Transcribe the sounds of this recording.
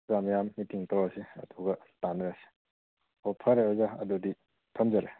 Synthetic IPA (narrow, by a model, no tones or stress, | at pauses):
zamjamːitiŋtawɐsiɐ̰duɡɐtanɾasi̥ | hɔpʰɐɾeazaɐ̰dudi | tʰɐmzaɾe